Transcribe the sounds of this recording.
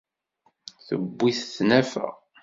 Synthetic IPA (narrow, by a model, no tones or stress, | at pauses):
θəbːiθθnæfæ̰